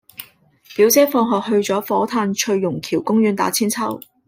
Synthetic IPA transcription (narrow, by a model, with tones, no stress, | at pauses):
piː˨˥wt͡sɛː˥fɔː˧ŋɦɔː˨k̚hɵ˧ɥt͡sɔː˨˥fɔː˨˥t̪ʰaː˧nt͡ʃʰɵ˧ɥːʊ˨˩ŋkʰiː˨˩wkʊ˥ŋjyː˨˧nt̪a̰ː˨˥t͡sʰiː˥nt͡sʰɐ˥w